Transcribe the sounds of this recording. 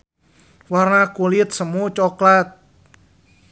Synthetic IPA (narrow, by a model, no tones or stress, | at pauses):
warnakulit̪̚səmut͡ʃɔklat̪̚